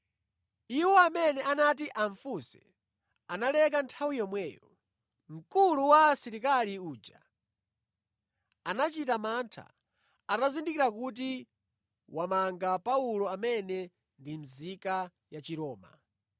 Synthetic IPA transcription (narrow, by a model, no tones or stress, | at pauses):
iwɔamɛnɛʔanatiʔaɱfusɛ̰ | analɛk̬antʰawijɔmwɛːjɔ̰ | m̩kuluwasiɾikaliuːd͡ʒa | anat͡ʃitamantʰa̰ | atazindikiɾakut̬i | wamaŋɡapaulɔamɛnɛ | ndim̩zika | jat͡ʃiɾɔːma̰